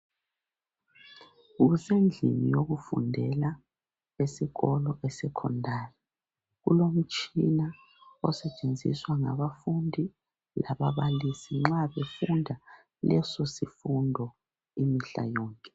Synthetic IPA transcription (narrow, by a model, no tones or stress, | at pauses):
ɣusend͡ɮʱinijoɣufṵndʱɛla | esiɣɔlɔʔɛsɛkʰɔ̰ndʱaːri | ɣṵlom̩t͡ʃʼina | ɔsɛt͡ʃʼend͡zʱḭswaŋa̰βafundʱi | laβaβalisiŋ͡ǁaβefundʱa | lɛsɔsifundʱɔ | imiɬa̰jɔːŋkʼɛ